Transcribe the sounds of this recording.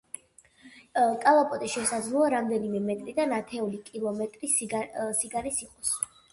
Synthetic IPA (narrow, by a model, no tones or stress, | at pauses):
kʼalˠapʼɔt̪ʼiʃɛsad̪zlˠɔaɾamd̪ɛnimɛmɛt̪ʼɾid̪anat̪ʰɛulikʼilˠɔmɛt̪ʼɾissiɡanisiqʼɔs